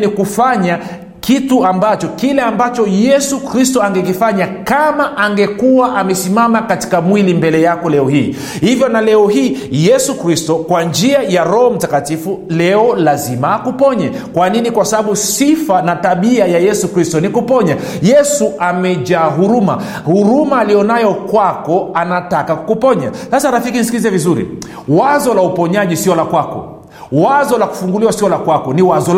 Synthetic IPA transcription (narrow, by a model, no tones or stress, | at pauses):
nikufaɲa | kituambat͡ʃɔkilɛambat͡ʃɔjɛsukɾistɔaŋɡɛk̬ifaɲakamaʔaŋɡɛkuwaʔamɛsimamakati̥kamwilimbɛlɛjakɔlɛɔhiː | hivjɔnalɛɔɦiːjɛsukɾistɔkwand͡ʒiajaɾɔɔm̩takatifulɛɔlazimaːkupɔɲɛ | kwaninikwasaɓaɓusifanataɓiajajɛsukɾistɔnikupɔɲajɛsuamɛʄaːɦuɾuma̰ | huɾumaːlijɔnajɔkwakɔanatakakkupɔɲasasaɾafikinis̬ikilizɛvizuɾḭ | wazɔlaupɔɲaʄisiɔlakwakɔ̰ | wazɔlaku̥fuŋɡuliwasiɔlakwakɔniwazɔ